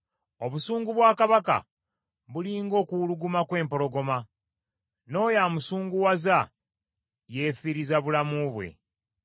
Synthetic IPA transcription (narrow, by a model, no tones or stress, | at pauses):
o̞βusuːŋɡuβwaːkaβaka̰ | βuliːŋɡo̞ːkuluɡumakwe̞ːmpo̞lo̞ɡo̞ma | no̞ːjaːmusuːŋɡuwaza | je̞ːfiɾizaβulamuβwe̞̰